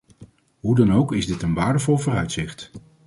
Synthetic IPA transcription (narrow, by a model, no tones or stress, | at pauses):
ɦudɑnowkɪzdɪtənʋaːɹdəvɔlˠvoːrœɥtsɪχt